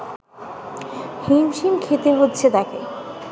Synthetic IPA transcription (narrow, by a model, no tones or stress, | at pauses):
himʃimkʰet̪eɦotːɕʰet̪ake